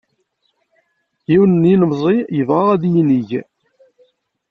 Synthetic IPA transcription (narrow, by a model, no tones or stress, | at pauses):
jiwnəninəmzˤijəvʁaʁæðjiniʝ